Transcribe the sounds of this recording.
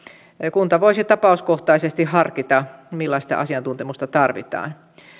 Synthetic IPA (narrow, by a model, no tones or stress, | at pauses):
kunt̪ɑʋoisit̪ɑpɑuskoht̪ɑisest̪ihhɑrkit̪ɑmilːɑst̪ɑ̰ʔɑ̰siɑnt̪unt̪emust̪ɑt̪ɑrʋḭt̪ɑ̰ːn